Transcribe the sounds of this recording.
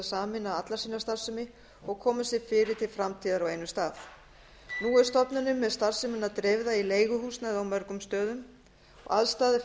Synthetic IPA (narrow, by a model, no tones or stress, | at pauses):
saːmɪnːaat̪laɾsinːast̪aðsʏmɪ | ɔɣkʰɔːmasɪɾfɪːɾɪɾ̥t̪ʰɪlfɾamt̪ʰiːðaɾawejnʏst̪aːθ | nuɛɾ̥st̪ɔpnʏnʏmːɛðst̪aðsʏmɪnːat̪ɾevðaileːjɣʏhuːsnaðawmœɾkʏmst̪œːðʏm | ɔ̰ɣa̰ðst̪aːðɪ